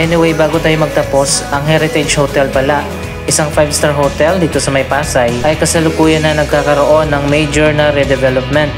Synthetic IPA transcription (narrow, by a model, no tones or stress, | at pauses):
ʔɛnɪwɛjbaːɡot̪aːjomɐɡ̚t̪ɐpo̞sʔɐŋɦɛɾɪt̪ɛd͡ʒhot̪ɛlpɐlaʔ | ʔɪsɐŋfajbst̪aɹɦot̪ɛld̪iːt̪o̞sɐmɐjpaːsɐjʔɐjkɐsɐlʊkuːjɐnːɐnɐɡ̚kaːkɐɾoʔo̞nːɐŋmejd͡ʒoɹnɐɾɛd̪ɛvɛlop̚mɛnt̪̚